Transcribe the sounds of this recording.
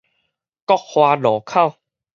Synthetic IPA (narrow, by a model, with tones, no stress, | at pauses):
kɔ˥˧k̚hwaː˧lɔː˨˩˦kʰa˥˧˨w